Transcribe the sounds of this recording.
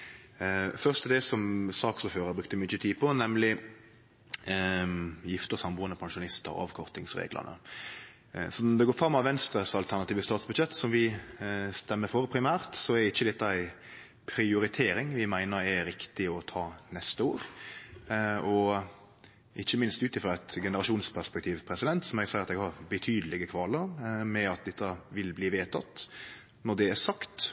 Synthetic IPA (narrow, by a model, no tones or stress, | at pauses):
fœʁst̪d̪ɛsɔmsɑːksɔføːɾəɾbɾʉk̚t̪əmʏt͡ʃːət̪ʰiːpʰɔnɛmlɪ | jɪft̪əsɑmbuːnəpʰɑŋʂʊnɪst̪ə̰ɾ̰ɑ̰ʋkʰɔɾt̪ɪŋsɾḛːɡlə̰nə̰ | sɔd̪ɛɡoːɾfɾɑmːɑʋʋɛnst̪ɾəsɑlt̪ʰæʁnɑt̪iːʋəst̪ɑːt̪sbʉd̪ʃɛt̪ːsɔmʋɪ | st̪ɛmːəfɔɾpʰɾɪmæːɾʁt̪sɔɛɾɛɪçːəd̪ɛt̪ːɑæɪ | pʰɾɪʊɾɪt̪ʰeːɾɪŋʋɪmæɪnəɾɛɾɪkt̪ɪɔt̪ʰɑːnɛst̪əoːɾ | ɔ | ʔɪçːəmɪnst̪ʉːt̪ɪfɾʁɑæt̪ɡɛnəɾɑʂuːnspʰæʁspɛkt̪ʰiːʋpʰɾɛsɪd̪ɛnt̪sɔmɛɡsæɪɾɑt̪ɛɡhɑɾbət̪ʰyːd̪əlɪɡəkʰʋɑːləɾmɛɑt̪̚d̪ɛt̪ːɑʋɪlbliːʋeːt̪ʰɑt̪ | nɔɖ̪ɛæsɑkt̪